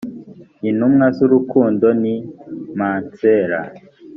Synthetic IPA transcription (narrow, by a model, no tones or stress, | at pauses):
inumŋazuɾukuːndonimaːnt͡seːɾa̰